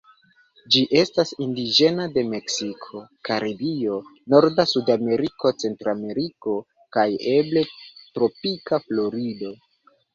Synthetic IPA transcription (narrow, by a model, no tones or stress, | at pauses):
d͡ʒiʔe̞stasindid͡ʒe̞nade̞me̞ksikʰo̞kaɾibio̞no̞ɾdasudame̞ɾiko̞t͡se̞ntɾame̞ɾiko̞ | kaje̞ble̞tɾo̞pikaflo̞ɾido̞